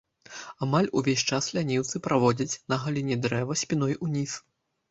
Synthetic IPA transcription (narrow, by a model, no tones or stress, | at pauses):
amalʲuvʲesʲt͡ʂaslʲanʲiwt̪sɨpɾavɔd͡zʲɐt͡sʲnɐɣalʲinʲɛd̪ɾɛvɐsʲpʲinɔjunʲis